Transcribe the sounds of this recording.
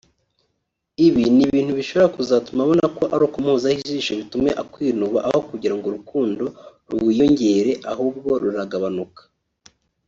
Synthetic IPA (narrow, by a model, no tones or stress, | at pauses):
iβiniβiːn̥huβiʃo̞βɾakuzaːtumaβo̞nako̞ʔaɾoːkumuːzahiziʃoβitumŋe̞ʔakwiːnuβaʔa̰ho̞kuɟiɾaŋɡo̞ɾukuːndo̞ɾuwijo̞ɲɟe̞ɾe̞ʔaɦuːb̚ɡo̞ɾuɾaɡaβanukḁ